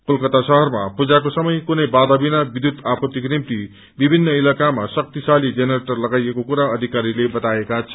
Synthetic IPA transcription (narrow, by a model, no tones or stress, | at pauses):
kulkʌt̪asʌɦʌrmapud͡zakosʌmʌjkunʌjbad̪ʌbinabid̪ʱjud̪apʌt̪ːiknimt̪i | bibʱinːʌilakamasʌk̚t̪isalid͡zenʌɾeʈʌrlʌɡajekokuɾaʌd̪ʱikaɾilebʌt̪aekat͡sʰʌ̥